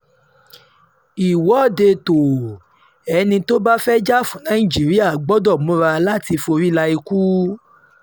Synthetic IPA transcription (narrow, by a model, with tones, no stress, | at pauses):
i˨wɔ˨˦˨de˧to˨ | ɛ˨˧nĩ˧to˦ba˦fɛ˦d͡ʒa˦˨fũ˨˦nã˨˦ĩ˦˨d͡ʒi˨˦ɾi˦a˦˨ɡ͡bɔ˨˦dɔ˦˨mũ˦ɾa˧la˦ti˧fo˧ɾi˦la˧i˧ku˦